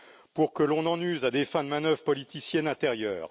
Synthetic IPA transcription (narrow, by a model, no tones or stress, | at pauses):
puʁkəlɔ̃nɑ̃nyzad̪efɛ̃d̪əmanœvʁpɔlit̪isjɛnɛ̃t̪ɛʁjœːʁ